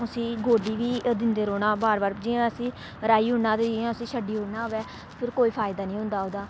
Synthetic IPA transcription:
ʊsĩːɡoːɖiːʋiːd̪ɪnd̪eːɾoːɽaːbaːɾbaːɾd͡ʒɪɛ̃ːəsĩː | ɾaːiːɦʊɳnaːt̪ed͡ʒãːʊsĩːʃʰəɖiːɦʊɽnaːɦʊʋɛː | pʰɪɾkoːiːpʰaːɪd̪aːnĩːɦʊ̃nd̪aːoːd̪aː

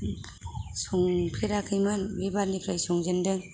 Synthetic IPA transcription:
sɔŋpʰeɾakʰɯjmɯnbebaɾnipʰɾajsɔŋd͡ʒendɯŋ

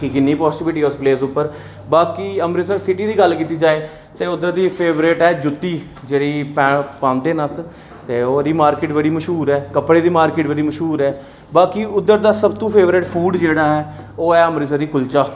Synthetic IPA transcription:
kikɪnːiːpɔːsɪʈɪʋɪʈiːɛʊspleːsʊpːəɾ | baːkiːəmɾɪsəɾsɪʈiːd̪iːɡəlkiːt̪iːd͡ʒaːeː | t̪eːʊd̪ːəɾd̪iːpʰeːʋɾɪʈɛːd͡ʒʊt̪ːiː | d͡ʒeːɽiːpɛːpãːnd̪eːnəs | t̪eːoːɾiːmaːɾkɪːʈbəɽiːməʃɦuːɾɛːkəpɽeːd̪iːmaːɾkɪːʈbəɽiːməʃɦuːɾɛː | baːkiːʔʊd̪ːəɾd̪aːsəbt̪ũːpʰeːʋɾɪʈpʰuːɖd͡ʒeːɽaːɦɛː | oːɛːəmɾɪs̬əɾd̪iːkʊlt͡ʃaː

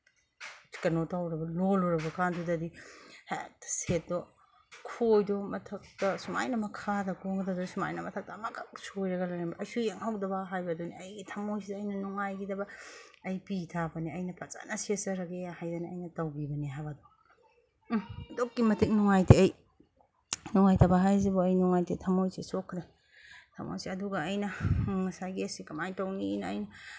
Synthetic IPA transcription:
si̥kɐnotawɾɐbɐloluɾɐbɐkandudɐdihaja̰k̚tɐ̥set̚dɔ | kʰojdɔmɐtʰɐk̚tɐsuma̰jnɐmɐkʰadɐkoŋɡdadɔsuma̰jnɐmɐtʰɐk̚tɐmɐɡɐk̚sojɾɐɡɐlɐjɾɐnbɐɐjsujeŋhawdɐbɐɦajbɐduniɐjɡitʰɐmːojsidɐːjnɐnuŋajɡidɐbɐɐjpitʰabɐniɐjnɐpʰɐt͡ʃa̰nɐsesɐɾɐɡejahajdaniɐjnɐtɐwbibɐniɦabado | dokːimɐtʰik̚nuŋajtʰiɐj | nuŋajtʰɐbaɦajzibɔɐjnuŋajtʰitʰɐmojsesokʰɾe | tʰɐ̰mo̰jseɐduɡɐːjnɐŋɐsajɡiɐsikɐmajtɐwninɐːjnɐ

